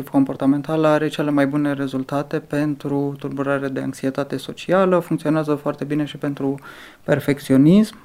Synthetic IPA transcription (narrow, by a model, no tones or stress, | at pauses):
ivko̞mpo̞rt̪ame̞nt̪alaɾe̞t͡ʃe̞le̞majbune̞re̞zult̪at̪e̞pe̞nt̪ɾut̪urbuɾaɾead̪e̞a̰ŋksie̞t̪at̪e̞so̞t͡ʃialəfuŋkt̪sio̞neazəfoart̪e̞bine̞ʃipe̞nt̪ɾu | pe̞rfe̞kt̪sio̞nism